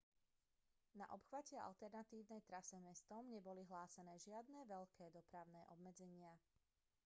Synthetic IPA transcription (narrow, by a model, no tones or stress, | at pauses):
na̰ʔɔpxʋacɛʔa̰lt̪ɛɾnat̪iːʊnɛjt̪ɾasɛmɛst̪ɔmɲɛbɔliɦlaːsɛnɛːʒɪad̪nɛːʋɛʎkɛːd̪ɔpɾaʊnɛːʔɔbmɛd͡zɛɲɪa